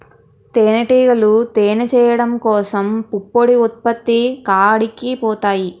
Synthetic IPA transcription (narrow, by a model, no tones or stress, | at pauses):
t̪eːnɐʈiːɡɐlut̪eːnɐt͡ʃɛːjɐɽɐmkɔːsɐmpupːoɽiut̪̚pɐt̪ːikaːɽikːipɔːt̪aːji